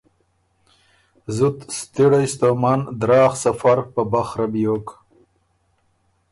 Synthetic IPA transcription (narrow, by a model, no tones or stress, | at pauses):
zut̪st̪iɽajst̪omand̪ɾɑːxsafaɾpəbaxɾabjok